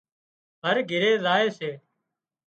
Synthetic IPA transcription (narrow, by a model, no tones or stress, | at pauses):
ɦəɾɡʱɪɾeːzaːeːseː